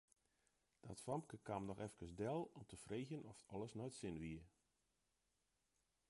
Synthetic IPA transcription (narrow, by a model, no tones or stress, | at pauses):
d̥ɔtfamkəkamnɔxɛfkəsdɛlˠɔmtʰəfreːɣənɔfɔlˠəsnɔjtsɪnʋiə